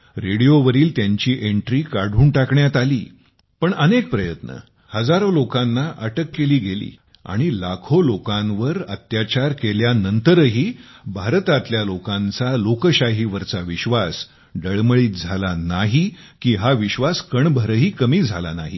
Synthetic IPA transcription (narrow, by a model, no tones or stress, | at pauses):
ɾeɽijoʋəɾiːlt̪jaɲt͡ɕiːʔeɳʈɾiːkaɽ̤ʱuːɳʈakɳjat̪aliː | pəɳənek̚pɾəjət̪nə̰ | həd͡zaɾolokãnːaʔəʈəkːeliːɡelḭː | a̰ɽ̃ilakʰolokãnʋəɾət̪jat͡ɕaɾkeljanənt̪əɾɦiːbʱaɾt̪at̪ljalokãnt͡salokəɕaɦiʋəɾt͡saʋiɕʋas | ɖəɭməɭiːt̪̚d͡zʱalanaɦikiːɦaʋiɕʋaskəɳbʱəɾəɦiːkəmiːd͡zʱala̰na̰ɦḭ